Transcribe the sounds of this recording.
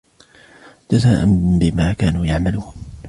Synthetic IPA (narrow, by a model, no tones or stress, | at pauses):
t̪azaːʔanbɪmaːkaːnuːjaʕmaluːn